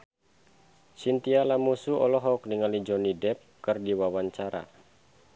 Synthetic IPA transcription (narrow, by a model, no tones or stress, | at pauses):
sint̪ialamusuʔɔlɔɦɔk̚niŋalid͡ʒɔnidɛp̚kɨrdiwawaɲt͡ʃaɾa̰